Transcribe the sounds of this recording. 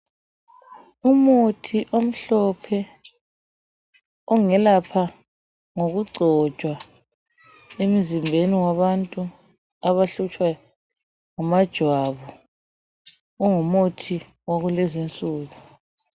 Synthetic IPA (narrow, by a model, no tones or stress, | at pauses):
umotʰiʔom̩ɬɔpʰɛ | ɔŋɛlapʰa | ŋoɣuɡ͡ǀʱɔ̥t͡ʃʼwa | em̩zimbʱeniwaβantʼu | aβaɬut͡ʃʼwa | ŋamad̥ʒ̥ʱwaβɔ | ŋumotʰi | waɣulɛzint͡sʼuːɣu